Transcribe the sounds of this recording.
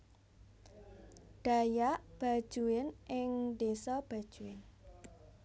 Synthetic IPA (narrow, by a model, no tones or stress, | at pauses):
ɖ̥a̤jaʔb̥a̤̥ʒ̥uɪnʔɪŋɖ̪esɔb̥a̤d̥ʒ̥uɪn